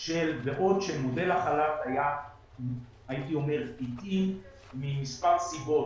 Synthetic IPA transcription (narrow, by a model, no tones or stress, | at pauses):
ʃe̞lbeʔo̞dʃemode̞laχalataja | hait̪io̞me̞ʁpit̪imː | imispaʁsibo̞